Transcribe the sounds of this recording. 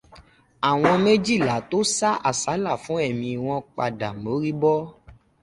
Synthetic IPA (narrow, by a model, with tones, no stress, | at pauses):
a˨w̃ɔ̃˧mẽ˦d͡ʒi˦˨la˨˦to˦sa˦ʔa˨sa˨˦la˦˨fũ˨˦ɛ˦˨mĩ˧w̃ɔ̃˧k͡pa˧da˨mo˨˦ɾi˦bɔ˦